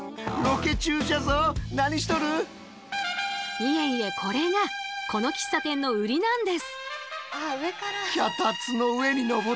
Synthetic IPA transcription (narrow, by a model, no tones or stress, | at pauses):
ɾo̞ke̞t͡ɕɨːd͡ʑazonaɲ̟iɕi̥t̪o̞ɾɯ | mijẽne̞kʰo̞ɾe̞ɡakʰo̞no̞kʲi̥sːat̪ẽ̞nːo̞ɯɾʲinãnd̪e̞sɨ̥aekaɾaçat̪at͡sɨno̞ɯe̞ɲ̟ino̞ɡo